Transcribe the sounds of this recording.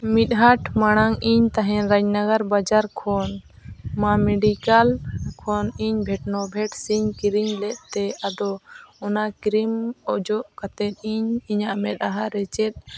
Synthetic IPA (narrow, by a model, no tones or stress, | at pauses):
mit̪̚ˀɦaʈmaɽ̃aŋiɲt̪aɦɛ̃ɾaɲnaɡaɾbad͡ʒaɾkʰɔn | mamɛɖikalkʰɔniɲbʱɛʈ̚nɔbʱɛʈsiɲkiɾiɲlɛʔ̪̚t̪ɛad̪ɔɔnakiɾimɔʔd͡ʒɔʔkat̪ɛt̪̚ˀiɲiɲaʔmɛt̪̚ˀaɦaɾɛt͡ʃɛt̪̚ˀ